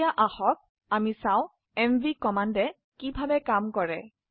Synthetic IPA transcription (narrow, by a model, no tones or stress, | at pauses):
aʔaxɔk̚ | amisaw̃ | ɛmvikɔmandɛ | kibʱabɛkamkɔɹɛ